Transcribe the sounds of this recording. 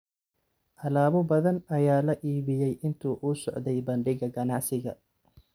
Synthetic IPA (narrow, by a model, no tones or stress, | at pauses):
ʔɐlaːβɔbɐðɐnɐjaːlɐʔiːβɪjɛjʔɪnt̪ʰuːʔuːsɔʕd̪ɛjbɐɳɖɪɣɐɡɐnɑʕsɪɣɐ̰